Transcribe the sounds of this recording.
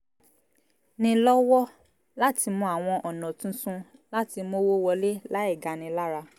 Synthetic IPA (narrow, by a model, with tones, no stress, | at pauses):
nĩ˧lɔ˦wɔ˦ | la˦ti˧mũ˧˦a˨w̃ɔ̃˧ʔɔ˨nɔ̃˨tũ˦sũ˦la˦ti˧mo˦wo˦wɔ˧le˦la˦ɛ˦˨ɡa˨nĩ˧la˦ɾa˧